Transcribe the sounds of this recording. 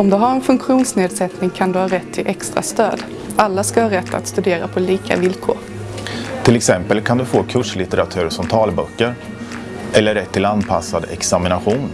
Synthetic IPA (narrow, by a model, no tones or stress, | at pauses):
ɔmd̪ɵɦaɾɛnfɵŋkɧuːnsneːd̪sɛt̪nɪŋkʰand̪ɵhɑːɾɛt̪ʰːɪlʔɛkst̪ɾa̰st̪øːd̪ | alːaskahɑːɾɛt̪ʰːa̰t̪st̪ɵd̪eːɾapʰɔliːkʰa̰vɪlkʰo̰ːɾ | t̪ʰɪlɛksɛmpəlkʰand̪ɵfoːkʰɵʂlɪt̪əɾat̪ʰʉ̟ːɾʂɔmt̪ʰɑːlbœkːəɾ | ʔɛlːəɾɛt̪ʰːɪlanpʰasːad̪ɛ̰ksamɪnaɧuːn